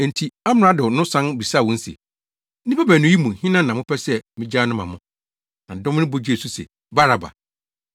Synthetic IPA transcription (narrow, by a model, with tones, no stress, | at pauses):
ɛ˨n˨tʰi˨a˦m˨ɾa˦dʊ˨nʊ̃˦sã˦nbi˨sa˦˨wɔ̃˦n̩˦sɛ̰˨˦ | nĩ˦pʰɛ˦bæ̃˨nʊ̃˦ji˦mũ˨hĩ˦nã˦nː˨ã˨mʊ̃˦pʰɛ˦sɛ˦mɪ̃˦d͡ʑaː˦nʊ̃˦mã̰˨mʊ̃˦ | nã˨dɔ˦m˦nɪ̃˦bo˦d͡ʑe˨su˦sɛ̰˨ | ba˦ɾa˨ba̰˨